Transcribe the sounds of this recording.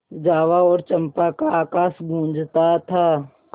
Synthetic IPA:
d͡ʒaːʋaɔːɾt͡ʃɐmpakaaːkaːsɡʱũːd͡ʒt̪at̪ʰaː

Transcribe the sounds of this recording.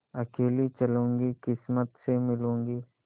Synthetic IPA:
ɐkeːlit͡ʃɐlõːŋɡikɪsmət̪semɪlõːŋɡiː

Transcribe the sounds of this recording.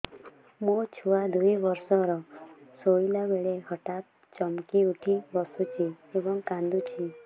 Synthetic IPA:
mũt͡ʃʰuad̪ujbɔɾsɔɾɔsoilabeɭehɔʈat̪̚ | t͡ʃɔmkiuʈʰibɔsut͡ʃʰi | ebɔŋkãnd̪ut͡ʃʰi

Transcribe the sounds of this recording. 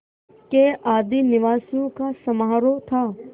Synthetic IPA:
keaːd̪inɪʋaːsijõkasɐmaːɾot̪ʰaː

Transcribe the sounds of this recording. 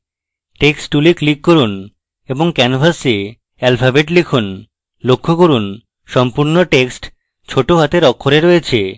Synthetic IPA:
ʈeksʈːuliklikːoɾun | eboŋkɛnfʰase | ɛlfʰabeʈlekʰun | lokʰːokoɾun | ʃɔmpuɾnoʈeksʈ | t͡ɕʰoʈoɦat̪eɾɔkʰːoɾeɾoet͡ɕʰe

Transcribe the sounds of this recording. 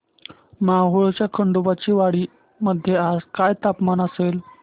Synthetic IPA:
maɦuɭt͡ɕjakʰəɳɖubat͡ɕiːʋaɽiː | məd̪ʱːjead͡zkajt̪apmanəsel

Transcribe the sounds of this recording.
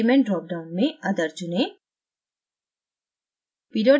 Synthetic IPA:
imẽɳʈɾɔk̚ɖawnmead̪aɾd͡ʑune | piɾɔ

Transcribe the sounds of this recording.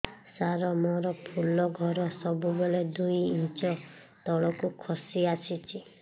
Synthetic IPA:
saɾɔmɔɾɔpʰulɔɡʱɔɾɔsɔbubeled̪ujint͡ʃɔ | t̪ɔɭɔkukʰɔsiasʰit͡ʃʰi

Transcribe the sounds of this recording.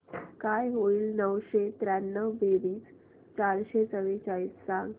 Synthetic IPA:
kajɦoiːlnəʋɕet̪ɾanːəʋbeʋiːs | t͡ɕaɾɕet͡səʋet͡ɕaɭiːsːãŋɡ

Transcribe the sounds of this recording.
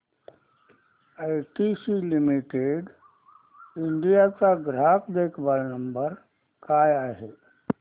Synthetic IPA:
ajʈisilimiʈeɖ | iɳɖijat͡saɡɾakd̪ekʰʋalnəmbəɾ | kajaɦe

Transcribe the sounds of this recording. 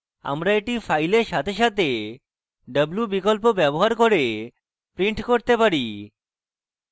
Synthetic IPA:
a̰mɾaeʈifʰajleɾʃat̪ʰeʃat̪e | ɖəblubikolp̬obɛboɦaɾkoɾe | pɾiɳʈkoɾt̪epaɾi

